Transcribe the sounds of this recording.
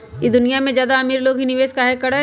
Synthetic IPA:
jid̪ʊnijamẽzjaːd̪aɐmiːɾloːɡɦinɪʋeːzkaɦekɐɽa

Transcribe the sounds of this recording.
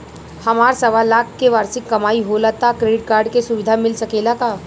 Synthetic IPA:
hɐmaːɾsɐʋaːlaːkkeʋaːɾsɪkːɐmaːiɦoːlat̪akɾeːɖɪʈ̚kaːɾɖkesʊʋɪd̪ʱamɪlsɐkeːlakaː

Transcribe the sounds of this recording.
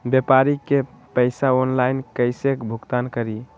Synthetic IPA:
bepaɾike | pəɪsaonlainkəɪsekbʱuɡt̪ankəɾi

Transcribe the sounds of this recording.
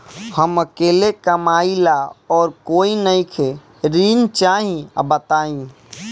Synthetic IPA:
həməkeːlekəmaːilaɔːɾkoinəikʰe | ɾint͡ʃaɦḭ̃bət̪aːĩ

